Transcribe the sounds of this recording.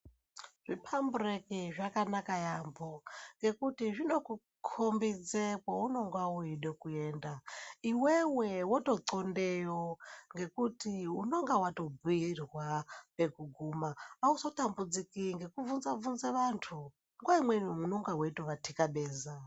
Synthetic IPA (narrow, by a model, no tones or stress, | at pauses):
ʐ̥ipʰamburekiʐakanakajamboŋɡe̞kutiʐino̞ku | kʰombid͡zekaunoŋɡwauiɗekueːndaiwewewotoǀondejoŋɡe̞kutiuno̞ŋɡawato̞biirwape̞kuɡʱuːmaːusotambud͡zikiŋɡe̞kuvunzavunzeʋantʰu | ŋɡwaimwenmunoŋɡaweitoʋatʰikaɓeːza